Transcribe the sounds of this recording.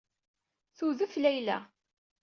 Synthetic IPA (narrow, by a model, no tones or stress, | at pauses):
θuðuflæjlæ̰